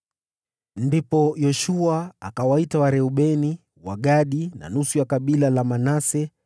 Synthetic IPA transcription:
ndipɔjɔʃuaːkawaitawaɾɛuɓɛni | waɠaɗina̰nusujakaɓilalamanasɛ

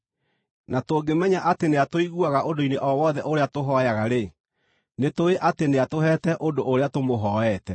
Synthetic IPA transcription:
natoːɡemɛɲaʔateneatoiɣuaɣaʔodoineʔɔwɔðɛʔoɾeatoɦɔjaɣaɾe | netoeʔateneatoɦɛtɛʔondoʔːɾeatomoɦɔɛtɛ

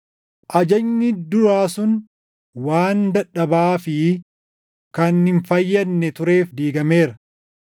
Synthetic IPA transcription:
ʔɐd͡ʒɐɲːɪd̪ʊɾaːsʊn | waːnd̪ɐᶑːɐbaːfɪ | kɐnhɪɱfɐjːɐnːɛt̪ʊɾe̞ːfd̪iːɡɐmeːɾɐ

